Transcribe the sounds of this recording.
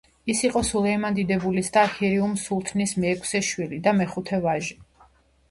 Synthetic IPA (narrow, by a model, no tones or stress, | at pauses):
isiqʼɔsulɛmand̪id̪ɛbulisd̪aːkʰiɾiumsulˠt̪ʰnismɛːkʰsɛʃwilid̪amɛχut̪ʰɛvaʒi